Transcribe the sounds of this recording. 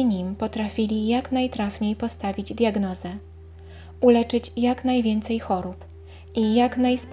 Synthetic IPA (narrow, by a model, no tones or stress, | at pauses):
ɲimpɔt̪ɾafʲilʲijaknajt̪ɾafɲejpɔst̪avʲid͡ʑd̪ʲjaɡnɔzɛ | ulɛt͡ʂɘt͡ɕjaknajvʲjɛnt̪sɛjxɔɾup | ijaknajsp